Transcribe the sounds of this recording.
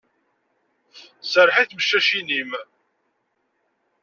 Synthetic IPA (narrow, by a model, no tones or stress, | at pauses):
səɾħiθməʃːæʃinim